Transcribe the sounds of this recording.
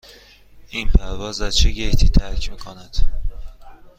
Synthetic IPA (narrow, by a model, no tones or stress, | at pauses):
inpʰæɾvɒːzæzt͡ʃʰeɟejt̪ʰiːt̪ʰæɾcʰmiːkʰonæd̪̥